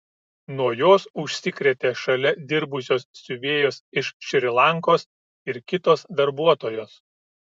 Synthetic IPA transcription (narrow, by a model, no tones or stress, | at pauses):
nuɔjoːsʊʃʲsʲɪkɾʲeːt̪ʲeːʃɐlʲɛd̪ʲɪɾbʊsʲoːsːʲʊʋʲeːjoːsɪʃʃʲɪɾʲɪlˠɐŋkoːs | ɪɾkʲɪt̪oːsd̪ɐɾbuɔt̪oːjoːs